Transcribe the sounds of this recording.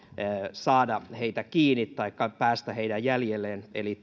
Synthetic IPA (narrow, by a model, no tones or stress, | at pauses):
sɑːdɑheit̪ækiːnːit̪t̪ɑikːɑpæːst̪æheidæjjæljelːˑeːneli